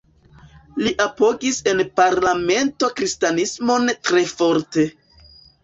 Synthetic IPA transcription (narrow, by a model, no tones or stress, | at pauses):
liʔapo̞ɡise̞npaɾlame̞ntokɾistanismo̞ntɾe̞fo̞ɾte̞